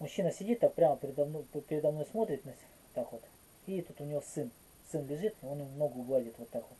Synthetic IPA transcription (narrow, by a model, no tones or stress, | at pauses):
mʊɕːinəsʲɪdʲit̪ːapɾʲaməpʲɪɾʲɪd̪ɐmnopʲɪɾʲɪd̪ɐmnojsmo̞t̪ɾʲɪt̪nɐ | t̪ːakʋo̞t̪ | it̪ut̪ʊnʲɪvo̞sɨn | sɨnlʲɪʐɨt̪o̞njɪmumno̞ɡʊjʊvˠadʲɪt̪vot̪ːakʋot̪